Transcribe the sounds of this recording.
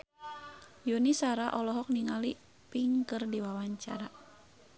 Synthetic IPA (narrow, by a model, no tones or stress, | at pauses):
junisaɾaʔɔlɔɦɔk̚niŋali | piŋkərdiwawaɲt͡ʃa̰ɾa